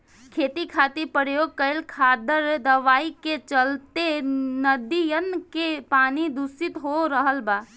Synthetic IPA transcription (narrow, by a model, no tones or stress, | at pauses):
kʰeːt̪ikʰat̪iɾpəɾjoɡ̚kəelkʰad̪əɾd̪əʋaːiket͡ʃəlt̪enəd̪ijənkepaːnid̪usit̪ɦoɾəɦəlba